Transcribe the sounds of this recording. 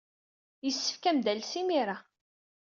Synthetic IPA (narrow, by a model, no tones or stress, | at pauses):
jəsːə̥fkæmd̪ælsimiɾa